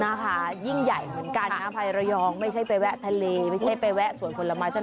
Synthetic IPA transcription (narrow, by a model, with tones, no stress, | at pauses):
naː˨˦˥mpʰaː˩˦ji˥˩ŋja˨˩jmɯ˨˩˦ənkaː˧naː˦˥mpʰa˧jɾa˧jɔː˧ŋma˥˩jt͡ɕʰa˥˩jpa˧wɛ˦˥ʔt̪ʰa˧leː˧ma˥˩jt͡ɕʰa˥˩pe˧jwɛ˦˥ʔsu˨˩ənpʰo˧la˧maː˦˥jt̪ʰ